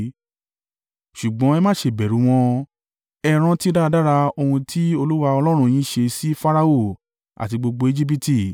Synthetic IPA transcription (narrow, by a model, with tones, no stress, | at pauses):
ʃu˨ɡ͡bɔ̃˨˦ɛ˧˦mãː˦˨ʃe˧˨bɛ˨ɾũ˨˦w̃ɔ̃˧ | ɛ˧ɾ̃ã˦ti˦da˦˧da˦ɾa˧o˧hũ˧tʰi˦o˧lu˦wa˧ɔ˧lɔ˦ɾ̃ũ˧j̃ĩ˦ʃe˧si˦fa˦ɾa˧o˦˨ | a̰˨ti˧ɡ͡bo˧ɡ͡bo˧e˧d͡ʒi˦p̬i˦ti˦˨